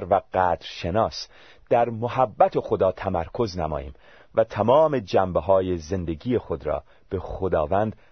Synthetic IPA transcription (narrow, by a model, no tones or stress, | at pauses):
ɾvæɢ̥æːd̪ɾʃe̞nɒːs | d̪̥æɾmohæbːæt̪ʰe̞xo̞d̪ɒːt̪ʰæmæɾkʰo̞znæmɒ̰ːjḭːm | væt̪ʰæmɒːme̞d͡ʒæmbeɦɒːjeze̞nd̪e̞ɡije̞χod̪ɾɒ̰ː | b̥e̞xod̪ɒːvænd̪̥